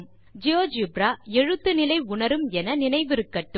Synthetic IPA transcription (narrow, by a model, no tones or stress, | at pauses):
m | d͡ʒɪjoːd͡ʒibɾaːɛɻɯt̪ːɯnɪlɐɪʊɳɐɾɯmɛnɐnɪnɐɪʋɪɾɯkːɐʈːɯ